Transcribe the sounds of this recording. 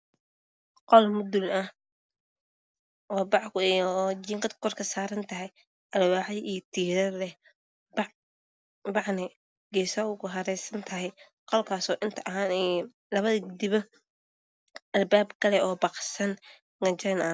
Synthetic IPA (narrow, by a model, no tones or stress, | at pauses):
qɔlmʊd̪ʊlɐh | ʔɔːbɑʕkʊd͡ʒɪŋqɐd̪kʰɔrkʰɐsaːɾɐnt̪ʰɐɦɛj | ʔɐlwaːʕɐjijɞt̪ʰiːɾɐrlɛh | b | bɑʕnɛ | ɡɛːsɐʊkʰʊɦɐɾɛjsɐnt̪ʰɐɦɛj | qɔlkʰaːsɔːʔɪnt̪ʰɐʔɐɦaːnɛ | lɐβɐðɐɡd̪ɪβɔ | ʔɐlbaːbkʰɐlɛɔːbɑqsɐn | nɐt͡ʃɐnɐ